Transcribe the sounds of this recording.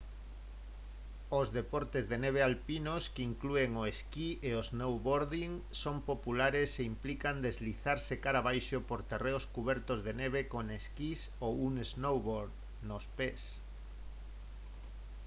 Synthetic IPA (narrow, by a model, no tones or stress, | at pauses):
ozðepoɾt̪ezðeneβ̞ealpinoskeiŋklueŋoeskieoznowβoɾðiŋsompopulaɾeseimplikand̪ezliθaɾsekaɾaβajʃopoɾt̪ereoskuβɛɾt̪ozðeneβekoneskisowuŋeznowβoɾð | nospes